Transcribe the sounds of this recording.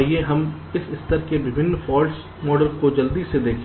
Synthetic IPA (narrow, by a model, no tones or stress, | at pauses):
ɦieɦɐm | ɪsɪst̪əɾkebɪbʱɪnːfʰɔːls | mɔːɖəlkod͡ʒɐld̪isːed̪eːkʰ